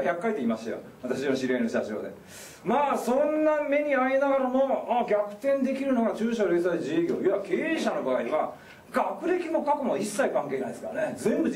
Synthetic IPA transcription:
çakːait̪eiːmaɕt̪a̰jo̰βat̪aɕioɕiɾenoɕaʑo̞̰ːd̪e̞̰ | maːsõ̞nːame̞ɲ̟iainaɡaɾamo̞aɡʲakɯ̟̥t̪ẽ̞nd̪e̞kʲiɾɯ̟no̞ɡat͡ɕɨːɕoɾe̞ːsad͡ʑiɡʲo̞̰ːiakeɕano̞baːiβa | ɡakɯ̟ɾe̞kʲimo̞kakɯ̟moisːaikãŋke̞ːnãnd̪esɨkaɾanezẽ̞mbɯ̟

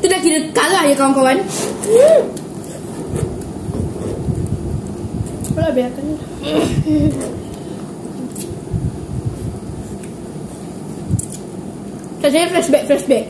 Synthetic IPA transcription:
t̪udakiɾəkalahjakawaŋkawan | olabeakanala | kas̬ajafɾɛsbɛk̚fɾɛsbɛk̚

